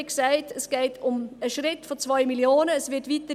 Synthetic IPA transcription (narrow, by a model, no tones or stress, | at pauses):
ksaɪtəsɡ̥ɛɪtʰʊməʃɾɪtfɔt͡svɔʏmiljoːnəːsvɪtvitə